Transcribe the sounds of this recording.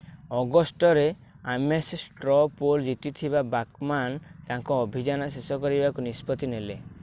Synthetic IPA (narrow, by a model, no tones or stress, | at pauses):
ɔɡɔsʈɔɾe | amessʈɾɔpold͡ʒit̪it̪ʰibabakmank̪ãŋkɔːbʱid͡ʒanɔsesɔkɔɾibakunispɔt̪inele